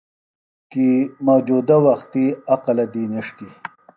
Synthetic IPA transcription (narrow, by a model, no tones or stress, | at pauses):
kimawd͡ʒud̪awɐxt̪iɐqɐlɐd̪iːniʂki